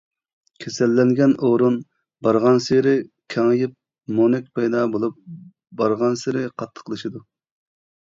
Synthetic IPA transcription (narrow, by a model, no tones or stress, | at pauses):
kʲʰesɛlːɛŋɡʲɛnoɾun | bɑɾʁɑnseɾɪkʲʰɛŋjɪp̚ | monɛkʲpʰɑjd̪ɑbolˠup̚ | bɑɾʁɑnseɾɪqʰɑt̪ʰːə̥qʰəlˠɨʃid̪u